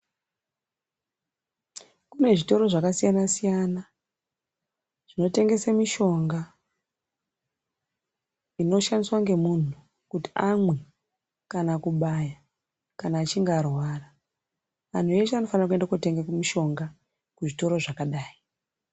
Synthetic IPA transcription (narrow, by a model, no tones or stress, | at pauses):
kune̞ʐito̞ɾo̞ʐakasijanasijana | ʐ̥ino̞te̞ŋɡe̞samiʃo̞ŋɡa | ino̞ʃandiswaŋɡe̞mun̤u | kuti̥amwe̞ | kanakuɓaja | kanaːt͡ʃiŋɡarwaːra | ʋan̤ue̞t͡ʃeano̞fanrakuendakute̞ŋɡekumiʃo̞ŋɡa | kuʐito̞ɾo̞ʐakaɗaːi